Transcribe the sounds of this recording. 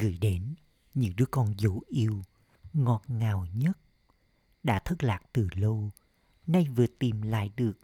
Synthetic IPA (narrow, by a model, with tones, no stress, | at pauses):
ɣɨ̰˧˩jɗe˨˦n | ɲɨ̰˧˥ŋɗɨ˦˥əkɔ˧nzo˧˨˦ʔi˧əw | ŋɔ˨˩t̚ŋaː˨˩wɲə˦˥t̚ | ɗa̰ː˧˥t̪ʰə˦˥t̚laː˨˩k̚t̪ɨ˨˩lə˧w | na˧jvɨ˨˩ət̪i˨˩mla̰ː˧˨jɗɨ˨˩ək̚